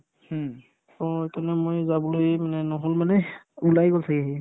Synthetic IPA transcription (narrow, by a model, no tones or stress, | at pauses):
ɔekanɛmojzabɔlojmanɛnɔɦolmanɛ | ulajɡoltʰakiaɦi